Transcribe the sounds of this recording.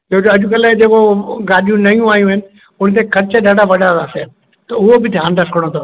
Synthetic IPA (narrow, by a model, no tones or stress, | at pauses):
teɦod͡ʑoɐʄʊkɐlad͡ʑekoɡaːɗijũnɐjũaːɦijũɦɪnɪ̆ | ʊñt̪̬ekʰɐɾɪt͡ɕəɗaːɖʱaʋɐɗaɾaːse | t̪ɐʊɦobɪdʱãːnɖɐfkəɽ̃ot̪ʰo